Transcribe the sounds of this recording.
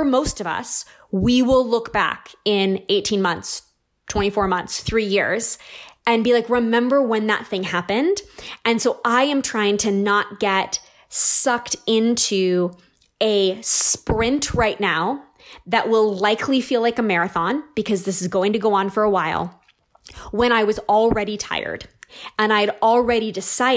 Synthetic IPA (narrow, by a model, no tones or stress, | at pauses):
ə˞moʊstʌvʌ̰s | wiwɪlˠlʊkb̥æ̰kɪ̃neɪtʰĩnmʌ̃nθs | tʰw̥ɛ̃ɾ̃ifɔɹmʌ̃nθsθɹijɪ̰ɹz̥ɨ̃nbilaɪkɹɨmɛ̃mbə˞wə̃nðə̰t̪̚θɪ̃ŋhæpɨ̃ndɨ̃nsoʊʔaɪɨ̃mtʰɹ̥aɪɪ̃ŋtʰɨnət̚ɡ̥ɛt | sʌktɪ̃ntʰʉ | ɨspɹɪ̃ntʰɹaɪʔⁿnaʊ | ðɨʔ̚wʔɪlˠlaɪkʰlifilaɪkəmɛɹɨθɑ̃nb̥ɨkʰʌzðɪsɨzɡoʊɪ̃ŋtɨɡoʊə̃nfə˞əwaɪlˠ | wə̃ɾ̃aɪwʌzl̩ˠɹɛɾitʰa̰ɪə̰˞dɨ̃naɪɨɾl̩ˠɹɛɾidɨsaɪ